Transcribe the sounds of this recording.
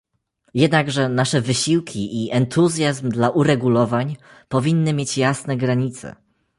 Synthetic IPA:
jɛd̪naɡʐɛnaʂɛvɘɕiwkʲiʔiʔɛnt̪uzʲjazmd̪laʔuɾɛɡulɔvaɲ | pɔvʲinːɘmʲjet͡ɕjasnɛɡɾaɲit̪sɛ̰

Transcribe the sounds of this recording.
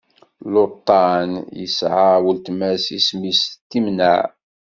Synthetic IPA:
lot̪ˤːɑnjə̰sʕawəlt̪mæsismist̪ːimnæʕ

